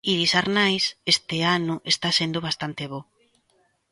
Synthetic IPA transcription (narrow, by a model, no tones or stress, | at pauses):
iɾisaɾnajsest̪eanʊʔest̪asend̪oβ̞ast̪ant̪eβo